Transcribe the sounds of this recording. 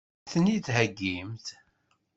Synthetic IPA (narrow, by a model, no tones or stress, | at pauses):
θnit̪ɦæɡːimt̪